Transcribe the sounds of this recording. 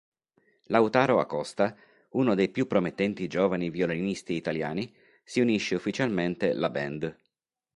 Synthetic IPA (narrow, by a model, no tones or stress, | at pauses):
lawt̪aːɾoa̰kːɔst̪a | unod̪ejpjupːɾomet̪ːɛnt̪id͡ʒoːvanivjolonist̪iːt̪alja̰ːni | siuniʃːeufːit͡ʃalment̪elabɛnd̪